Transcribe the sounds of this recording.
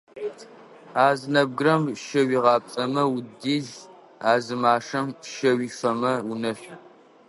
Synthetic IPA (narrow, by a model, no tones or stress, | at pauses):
aːzɨnɐb̚ɡɨɾɐmʃɐwiːʁɑːpʼɐmɐwʊdiːɮ | aːzɨmaːʂɐmʃɐwiːfɐmɐwʊnɐɕʷ